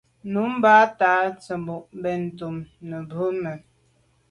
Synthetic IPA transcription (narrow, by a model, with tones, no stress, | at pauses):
nu˨˦m˦baː˦taː˨˦t͡sə˨mbu˨ʔm˦bɛ˦˨n̩˨tu˨mnə˨bə˦mə˨